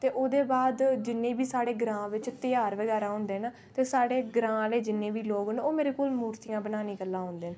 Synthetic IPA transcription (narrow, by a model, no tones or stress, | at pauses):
t̪eːʔoːd̪eːbaːd̪d͡ʒɪnːẽːbiːsaːɽeːɡɾãːʋɪt͡ʃt̪ɪjaːɾʋəɡɛːɾãːɦʊ̃nd̪eːnaː | t̪eːsaːɽeːɡɾãːleːd͡ʒɪnːẽːʋiːloːɡnoːmeːɾeːkoːlmuːɾt̪ijãːbənaːnĩːkəlːãːɦʊ̃nd̪eːn